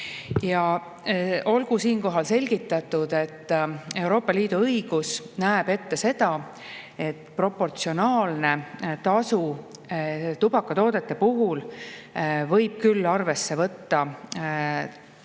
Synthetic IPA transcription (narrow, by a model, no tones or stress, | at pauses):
jɑ | o̞lɡ̥usiːnko̞ɦɑlse̞lʲɡ̥it̪ˑːɑt̪ːˑud̪̥e̞t̪ːe̞wɾo̞ːpːˑɑliːd̪̥uɤjɡ̥usnæeb̥e̞t̪ːe̞se̞d̪ɑ | e̞t̪pro̞pːo̞rt̪sio̞nɑːlne̞t̪ɑsu | t̪ub̥ɑkːˑɑt̪o̞ːd̪̥e̞t̪ːˑe̞puɦul | vɤjb̥̚kylːɑrve̞sːe̞vɤt̪ːɑ